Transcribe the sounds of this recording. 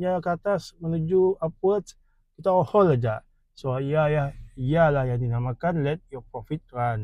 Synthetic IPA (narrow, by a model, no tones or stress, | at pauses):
ɲakat̪asmənud͡ʒuapwət̪s | kit̪aohɔlad͡ʒaʔ | soaijajahijalahjaŋdinamakanlɛt̪̚jɔpɔfit̪̚kɾan